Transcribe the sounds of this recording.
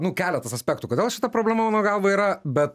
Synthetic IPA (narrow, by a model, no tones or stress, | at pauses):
nʊkʲæːlʲɛt̪ɐsɐsʲpʲɛːkt̪ʊkoːd̪ʲeːlˠʃʲɪ̥t̪ɐpɾoːbʲlʲɛmɐmɑːnoːɡɐlˠʋoːiːɾɐbʲɛt̪